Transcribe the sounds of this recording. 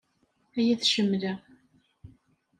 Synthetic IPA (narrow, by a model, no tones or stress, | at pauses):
æjæθʃəmːlæ